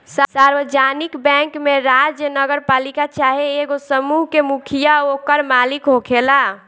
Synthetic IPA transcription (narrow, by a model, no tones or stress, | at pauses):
ssaɾwəd͡ʒanikbɛ̃ŋkmeɾad͡ʒjənəɡəɾpalikat͡ʃaɦeːɡosəmuɦkemukʰijaokəɾmalikɦokʰela